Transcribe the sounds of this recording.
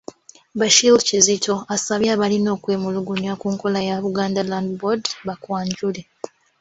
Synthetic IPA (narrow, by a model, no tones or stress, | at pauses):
βaʃilcizitʰo̞asaβjaːβalino̞ːkwe̞ːmuluɡunakuːŋko̞lajaβuɡaːndalandbodβakwaːɲɟule̞